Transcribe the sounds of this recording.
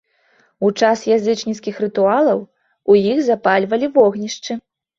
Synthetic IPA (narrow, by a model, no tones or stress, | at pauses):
ut͡ʂasjazɨt͡ʂnʲiskʲixrɨt̪ualˠɐw | ujiɣzapalʲvɐlʲivɔɣnʲiʂt͡ʂɨ